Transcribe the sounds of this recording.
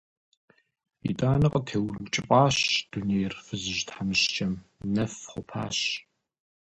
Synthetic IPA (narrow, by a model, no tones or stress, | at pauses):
ḭtʼaːnɨqʼətʰeːwt͡ʃʼɪpʼɑːɕd̥uneːjrfɨzɨʒtħamɨɕt͡ʃɐmnɐfχʷʊ̰pʰa̰ːɕ